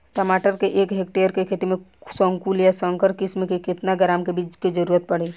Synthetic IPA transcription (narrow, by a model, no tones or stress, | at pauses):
ʈəmaːʈəɾkeʔeːkɦek̚ʈeəɾkekʰet̪imẽsə̃ŋkuljasəŋkəɾkɪsmekekɪt̪naɡəɾaːmkebit͡ʃked͡ʒəɾuːɾət̪̚pəɽ̤e